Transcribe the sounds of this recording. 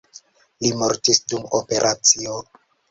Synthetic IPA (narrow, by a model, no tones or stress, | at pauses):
limoɾtisdumope̞ɾʔat͡sio